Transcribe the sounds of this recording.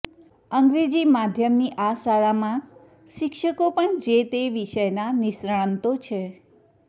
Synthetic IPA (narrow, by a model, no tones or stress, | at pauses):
əŋɡɾed͡ʒimad̪ʱjəmniʔasaɭamã | ʃɪkʃəkopəɳd͡ʒet̪eʋiʃəjnanɪʃɾaɭnt̪ot͡ʃʰe